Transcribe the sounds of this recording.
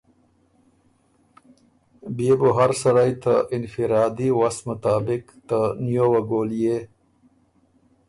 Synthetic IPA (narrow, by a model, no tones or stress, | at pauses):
biebuɦaɾsɐɾajt̪aʔɪnfiɾɑːd̪iwasmət̪aːbɪk | t̪anijowɐɡoːlije